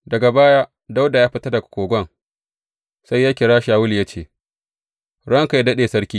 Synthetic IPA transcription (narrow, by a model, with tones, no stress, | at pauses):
dɐ˨ɡa˨baː˦jaː˦ | da˦wda˨jaː˦ɸɪ˦tɐ˦rdɐ˨kkʷoː˨ɡʷɐ˦ŋ | sa˦jːaː˦kʲɪ˨ɽaː˦ʃaː˨wʊ˦lja˦t͡ʃeː˨ | ɽɐ˦ŋka˨ja˦dɐ˦ɗeː˨sɐ˦ɽkʲiː˦